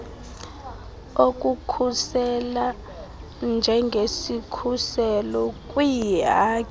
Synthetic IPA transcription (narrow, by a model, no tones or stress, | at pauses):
ok̬ʼukʰusɛla | nd͡ʒʱɛŋɡʱesikʰusɛlɔk̬ʼwiaːkʼ